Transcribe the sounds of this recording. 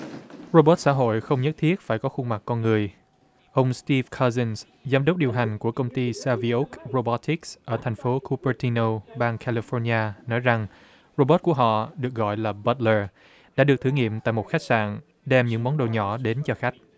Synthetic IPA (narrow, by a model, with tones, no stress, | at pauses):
ɹo˧ɓə˦˥t̚sa̰ː˧˥ɦo̰˧˨jxə˧wŋ͡mɲə˦˥t̚t̪ʰi˦˥ət̚faː˧˩jkɔ˨˦xʊ˧ŋ͡mma˨˩k̚ːɔ˧nŋɨ˨˩əj | ʔə˧wŋ͡mst̪i˧vkʰa˧zə˧ns | zaː˧mɗə˦˥wk͡p̚ɗi˨˩əwɦa˨˩jŋ̟ku˧˩əkə˧wŋ͡mt̪i˧saː˧vi˧ʔu˦˥k̚ɹo˧ɓɔ˨˦˥t̪i˦˥ksʔəː˧˩t̪ʰɛ˨˩ŋ̟fo˨˦kʰu˧pə˧t̪i˧no˧ɓaː˧ŋkʰa˧li˧fɔ˧ɲaː˧nɔ˨˦jza˨˩ŋ | ɹo˧ɓə˦˥t̚ku˧˩əɦɔ̰˧˨ɗɨ˨˩ək̚ɣɔ̰˧˨jlaː˨˩ɓə˦t̚ləː˧ | ɗa̰ː˧˥ɗɨ˨˩k̚t̪ʰɨ˧˩ŋḭ˧˨əmt̪a̰ː˧˨jmo˨˩t̚xa˦˥jk̚sa̰ː˧˨n | ɗɛ˧mɲɨ̰˧˥ŋmɔ˨˦nɗo̰˧˨˩ɲɔ˧˩ɗe˨˦nt͡ɕɔ˧xa˦˥jk̟̚